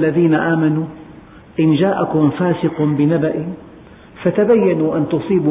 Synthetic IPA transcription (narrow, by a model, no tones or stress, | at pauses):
lːaðiːnaʔaːmanu | ʔɪnd͡ʒaːʔakʊmfaːsɪqʊbɪnabaʔɪ | fat̪abajːanuːʔant̪ʊsˤiːb